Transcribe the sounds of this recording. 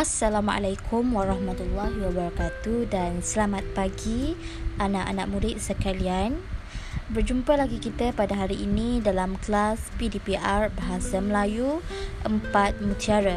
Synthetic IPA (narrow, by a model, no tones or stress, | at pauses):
asːalama̰lajkʰumwaɾɑhmat̪ulːahwabaɾakat̪udansəlamãt̪̚paɡi | anãʔa̰nãʔ̚mũdɪʔ̚səkalian | bərd͡ʒumpəlaɡikit̪əpadaɦaɾiʔːnĩdalamklaspidipiʔarbaɦasaməlajuʔəmpat̪̚mũt̪iaɾa